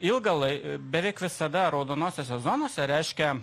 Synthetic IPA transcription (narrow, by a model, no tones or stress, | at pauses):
ɪlˠɡɐlˠɐɪbʲɛʋʲɛɪkʋʲɪsɐd̪ɐɾɐʊd̪oːnoːsʲosʲɛzoːnoːsʲɛɾʲɛɪʃʲkʲɛ